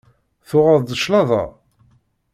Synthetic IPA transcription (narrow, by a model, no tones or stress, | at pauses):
θʊʁaðˤd̪əʃlɑðˤɑ̰